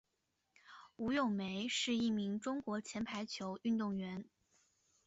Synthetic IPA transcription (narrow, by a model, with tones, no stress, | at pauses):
u˧˥jo˥˩ŋme˧˥ɪʂɻ̩˥˧i˥˩mi˧˥ŋʈ͡ʂʊ˥ŋkwɔ˧˥t͡ɕʰjɛ˧˥npʰa˧˥ɪt͡ɕʰjo˧˥ʊy˥˧nt̪ʊ˥˩ŋɥɛ˧˥n